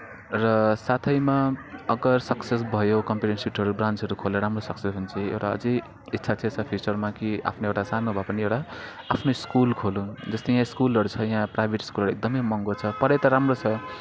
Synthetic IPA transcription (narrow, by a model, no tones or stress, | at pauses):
rʌsat̪ʰʌjmaʌɡʌrsʌkses̬bʱʌjokʌmpiʈensiʈɦʌɾubrant͡sɦʌɾukʰoleɾamrosʌksesɦunt͡sʰiḛwʈaʌ̰d͡zʌ | itːsʰat͡sʰet͡sʰʌpʰit͡sʌrmakia̰pʰnoewʈasanobʱapʌniewʈaː | pʰnoiskulkʰolũd͡zʌst̪ejãskulʌɾut͡sʰʌjãprajbʱeʈi̥skulɦʌɾuek̚d̪ʌmʌjmʌŋɡot͡sʰʌpʌɾet̪ʌɾamrot͡sʰʌ